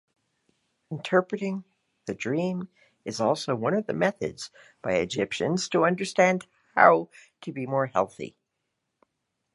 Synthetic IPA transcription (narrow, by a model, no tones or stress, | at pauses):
n̩tʰɜ˞pɹɨɾɪ̃ŋ | ðɨdɹĩm | ɨzɔlˠsoʊwʌ̃nʌvðɨmɛθɨ̰dz̥ | b̥aɪɨ̰d͡ʒɪpʃɨ̰̃nz̥tʰəʌ̃ndə˞stæ̃nd̥̚ | ha̰ʊɾɨbimɔɹhɛ̰lˠθḭ